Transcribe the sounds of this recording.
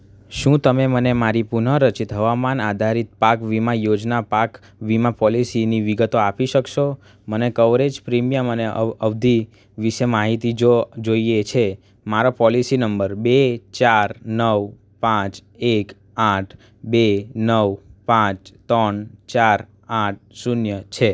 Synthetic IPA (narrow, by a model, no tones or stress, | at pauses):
ʃũt̪əmemənemaɾipunəɾət͡ʃit̪ɦəʋamanad̪ʱaɾit̪̚pakʋimãjod͡ʒnapak | ʋimapɔlisiniʋiɡət̪oapiʃəkʃo | mənekəʋɾed͡ʒpɾimijəməneəʋd̪ʱi | ʋiʃemaɦit̪id͡ʒod͡ʒoiet͡ʃʰe | maɾopɔlisinəmbəɾbet͡ʃaɾnəʋ | pãt͡ʃek | aʈʰ | benəʋpãt͡ʃt̪ənt͡ʃaɾ | aʈ̚sunjət͡ʃʰe